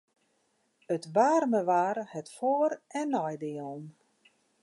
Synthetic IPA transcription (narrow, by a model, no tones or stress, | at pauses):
ətbaːrməʋaːɾhɛtfoːɾʔɛnːɔjdɪːəlˠn